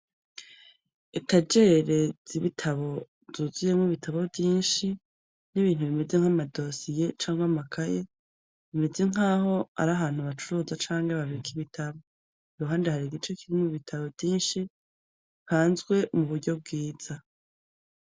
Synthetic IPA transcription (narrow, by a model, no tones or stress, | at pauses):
etad͡ʒeɾe̞z̥iβitʰaβo̞ | z̥uzuje̞muβitʰaβo̞vjiːnʃi | niβiːn̥huβime̞ze̞ŋ̥hamado̞sije̞t͡ʃaːŋɡwamakʰaje | βime̞ze̞ŋ̥aːho̞a̰ɾaɦaːn̥huβat͡ʃuɾuːzat͡ʃaːŋɡeβaβiɾikʰiβitʰaβo̞ | iɾuɦaːndehaɾiɡit͡ʃe̞kʰiɾimuβitʰaβo̞vjiːnʃi | haːnzɡwe̞muβuɾɟo̞b̚ɡiːz̥a